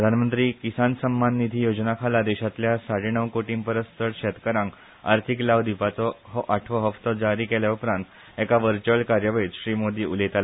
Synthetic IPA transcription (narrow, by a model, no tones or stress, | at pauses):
pɾəd̪ʱanmənt̪ɾiːkisansəmːanːid̪ʱiːjod͡znakʰalad̪ɛɕat̪ljasaɽeɳəʋkoʈiːmpəɾəst̪ʰəɾɕɛt̪kəɾãŋk | a̰ɾt̪ʰiklaʋd̪ipat͡sɔɦɔʔaʈʰʋəɦəft̪ɔd͡zaɾiːkɛljaupɾãnt̪ | ɛkaʋəɾt͡ɕuəlkaɾjəʋəit͡sɕɾiːmod̪iːulet̪al